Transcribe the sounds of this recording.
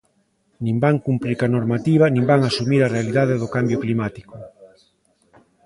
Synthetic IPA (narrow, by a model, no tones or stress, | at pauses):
nĩmbaŋkumpɾiɾkanoɾmat̪iβ̞anĩmbaŋasumiɾarealiðaðeðʊkambjʊklimat̪i̥kʊ